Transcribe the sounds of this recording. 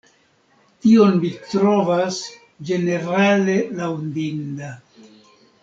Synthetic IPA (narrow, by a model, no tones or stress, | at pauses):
tio̞nmitɾo̞vas | d͡ʒe̞ne̞ɾale̞lawndinda